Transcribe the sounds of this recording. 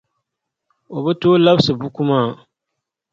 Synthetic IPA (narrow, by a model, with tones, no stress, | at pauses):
o˨bɛ˦toː˦la˦bsɨ˨bu˦ku˦maː˦˨